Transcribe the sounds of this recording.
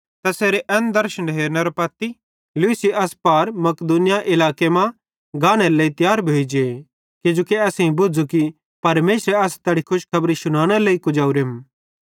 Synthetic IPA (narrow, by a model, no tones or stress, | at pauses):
t̪ɐseːɾeʔɛnd̪ɐɾʃənɖʱeːɾnɐɾopɐt̪i | luisiʔɐspaːɾmɐkd̪uːnɪjaʔɪlaːkemã | ɡaːɽ̃ɛɾleit̪jaːɾbʱoːid͡ʒe | ked͡ʒoːkiɐsĩbʊd͡zuki | pɐɾmeːsɾeɐst̪ɐɽikʰʊʃkʰɐbɾiʃʊɽ̃ãːɽ̃eleːikʊd͡ʒaːuɾem